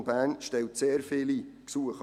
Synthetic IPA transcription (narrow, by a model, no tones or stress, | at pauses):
bæːnʃtɛwtseːɾfɪliksuəχ